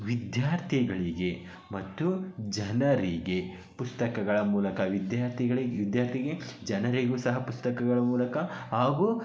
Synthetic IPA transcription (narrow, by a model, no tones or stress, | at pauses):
ʋid̪jaːɾt̪ʰiɡɐɭiɡe̞ | mɐt̪ːud͡ʒɐnɐɾiɡe | pust̪ɐkɐɡɐɭɐmuːlɐkɐʋid̪jaːɾt̪ʰiɡɐɭiɡʋid̪jaːɾt̪ʰiɡed͡ʒɐnɐɾiɡuːsɐɦɐpust̪ɐkɐɡɐɭɐmuːlɐkɐhaːɡuː